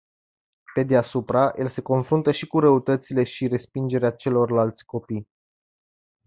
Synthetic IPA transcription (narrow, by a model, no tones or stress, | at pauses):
pe̞d̪easupɾajelse̞ko̞nfɾunt̪əʃikuɾəut̪ət̪sile̞ʃiɾe̞spind͡ʒe̞ɾeat͡ʃe̞lo̞rlalt̪sʲko̞pij